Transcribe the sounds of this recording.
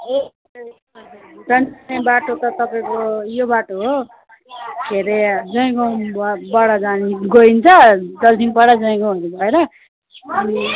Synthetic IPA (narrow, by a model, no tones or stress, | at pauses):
d͡zʌnnebaʈot̪ʌt̪ʌpaĩkojobaʈoɦo | ɡʱeɾed͡zʌĩɡʌnbbʌɽʌd͡zaniɡoint͡sʰʌd̪ʌlt̪ʰinpʌɽad͡zʌĩɡʌ̃ɦunnibʱʌeɾʌ | ʌni